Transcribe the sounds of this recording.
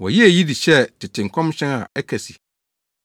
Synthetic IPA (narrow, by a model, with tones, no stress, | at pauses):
wɔ˨ji˦e˨ji˦di˨ɕɛ˦˨tʰɪ˨tʰɪ̃˨ŋ̩˨kʰɔ̃˦mɕɛ̃˦na̰˨ɛ˦kʰæ˨si̥˨